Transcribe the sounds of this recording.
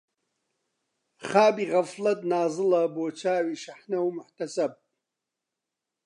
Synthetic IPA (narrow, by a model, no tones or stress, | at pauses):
χaːbiːɣɐflɐt̪naːzɨlɐboːt͡ʃʰaːwiːʃɐħnɐwmʊħt̪ɐsɐb̚